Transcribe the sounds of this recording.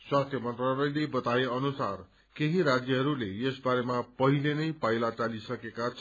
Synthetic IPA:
swast̪ʰjʌmʌnt̪ralʌjlebʌt̪aeʌnusar | keɦĩɾad͡zjʌɦʌɾuleesbaɾemapʌɦilenʌjpajlat͡salisʌkekat͡sʰ

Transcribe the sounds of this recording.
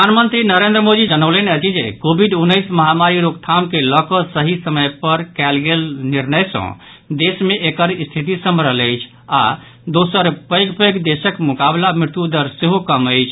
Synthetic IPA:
pəanmənt̪ɾinəɾẽnd̪ɾəmod̪id͡ʒənələneət͡ʃid͡ʒekobʱiɖunːəjsməɦamaɾiɾoɡt̪ʰamkelɔkɔsəɦisəməjpəɾkɛlɡelniɾnəjsə̰̃ | d̪esmeʔekəɾist̪ʰit̪isəmɾələjt͡ʃʰ | a̰ | d̪osəɾpəjɡpəjkd̪esəkmukablamɾɪt̪jud̪əɾseɦokəməjt͡ʃʰ

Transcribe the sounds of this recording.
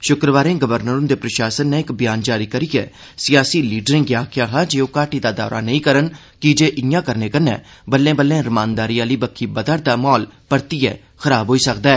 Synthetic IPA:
ʃʊkɾəʋaːɾẽːɡəʋəɾnəɾʊnd̪eːpɾəʃaːsənːeːɪkbɪjaːnd͡ʒaːɾiːkəɾiːɛ̰ːsɪjaːsiːliːɖəɾẽŋɡjaːkʰjãːɦãːd͡ʒeːoːkaːʈiːd̪aːd̪a̰ːɾa̰ːnəĩːkəɾən | kɪd͡ʒeːʔɪjãːkəɾneːkənːɛ̰ːbəlːẽːbəlːẽːɾəmaːnd̪aːɾiːaːliːbəkʰːiːbəd̪əɾd̪aːmɔːlpəɾt̪iːɛ̰ː | xʰəɾaːbʱɦoːiːsək̚d̪aːɛː

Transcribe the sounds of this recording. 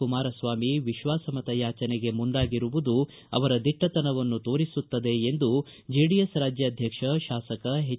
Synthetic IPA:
umaːɾɐsʋaːmiʋiʃʋaːsɐmɐt̪ɐjaːt͡ʃɐneɡe̞muɳɖaːɡiɾuʋud̪u | ɐ̰ʋɐɾɐd̪iʈːɐt̪ɐnɐʋɐnːut̪o̞ːɾisut̪ːɐd̪e̞ːnd̪u | d͡ʒeːɖijesɾaːd͡ʒjɐd̪ʱjɐkʂɐʃaːsɐkɐɦe

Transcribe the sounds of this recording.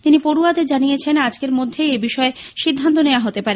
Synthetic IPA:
t̪inipoɾuad̪ed͡ʑanijet͡ɕʰenad͡ʑkeɾmod̪ʱːeebiʃɔeʃid̪ʱːant̪oneoaɦot̪epaɾe

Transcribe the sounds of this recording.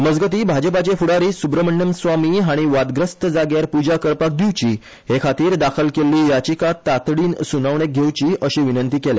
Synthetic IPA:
məd͡zɡət̪̬iːbʱad͡ʑəpat͡ɕefuɽaɾiːsubɾəməɳːəmsʋamiɦaɽ̃iʋad̪ɡɾəst̪əd͡zaɡjaɾpud͡ʑakəɾpak̚d̪ʱiwt͡ɕiː | hekʰat̪iːɾd̪akʰəlkeliːjat͡ɕikat̪ːat̪ɽiːnsunaʋɳ̃ek̚ɡʱewt͡ɕiːʔəɕiʋinənt̪iːkele

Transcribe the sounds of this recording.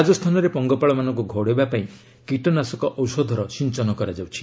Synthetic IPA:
ad͡ʒɔst̪ʰanɔɾepɔŋɡɔpaɭɔmanɔ̃ŋkuɡʱoɽebapaĩ | kiʈɔnasɔkɔʔɔwsɔd̪ʱɔɾɔsint͡ʃɔnɔkɔɾad͡ʒawt͡ʃʰi̥

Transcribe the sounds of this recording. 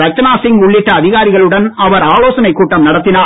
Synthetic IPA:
ɾɐk̚t͡ʃɐnaːsɪŋɡʊɭːɪʈːɐːðɪɣaːɾɪɣɐɭɯɽɐnɐʋɐɾaːɭoːsɐnɐɪkːuːʈːɐmnɐɽɐt̪ːɪnaː

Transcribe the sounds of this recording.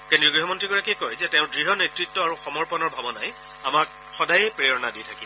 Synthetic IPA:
kendiuɡɹiɦɔmɔntɹiɡɔɹakiɛkojzɛtɛʊ̃dɹiɦɔnetɹitːɔaɹuxɔmɔɹpɔnɔɹbʱabɔna̰j | amak̚ | xɔdajɛpɹeɔnaditʰaki

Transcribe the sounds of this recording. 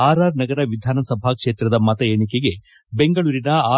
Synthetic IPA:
aːɾaːɾnɐɡɐɾɐʋid̪ʱaːnɐsɐbʱakʂe̞ːt̪ɾɐd̪ɐmɐt̪ɐjeːɳikeɡe̞ | be̞ŋɡɐɭuːɾinɐaː

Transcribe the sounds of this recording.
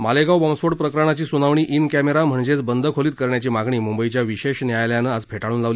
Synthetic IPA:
maleɡawbɔmsfoɽpɾəkɾaɳ̃at͡ɕiːsunaʋɳiːʔinkæmeɾam̤əɳd͡ʑet͡sbənd̪ʱəkʰoliːt̪̚kəɾɳjat͡ɕiːmaɡɳiːmumbəit͡ɕjaʋiɕeɕnjajljanəad͡zpʰeʈaɽuːnlaʋli

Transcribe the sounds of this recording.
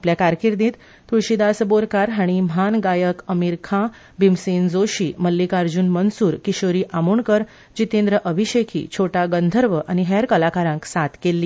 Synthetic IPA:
apljakaɾkiɾd̪ĩːt̪ | t̪uɕid̪asboɾkaɾɦaɽ̃imanɡajəkəmiɾkʰã | bimsend͡zoɕiːməlːikaɾd͡ʑunmənsuːɾkiɕoɾiːʔamuːɳkəɾ | d͡ʑit̪ẽnd̪ɾəʔəbʱiɕekʰḭt͡ɕʰoʈaɡənd̪ʱəɾʋəʔañiɦɛɾkəlakaɾãŋksat̪kelːiː

